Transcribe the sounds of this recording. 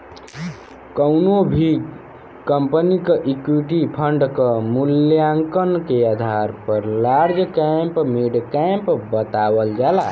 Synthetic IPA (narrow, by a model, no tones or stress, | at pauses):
kəwnobʱi | kəmpnikəʔikwiʈipʰəɳɖkəmuljaŋkənkead̪ʱaɾpəɾlaɾd͡ʒkɛmpmeɖkɛmpbət̪awəld͡ʒala